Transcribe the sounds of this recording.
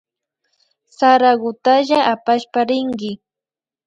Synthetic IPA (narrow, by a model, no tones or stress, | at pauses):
saɾaɣʊt̪aʒaʔapaʃpaɾɪŋɡɪ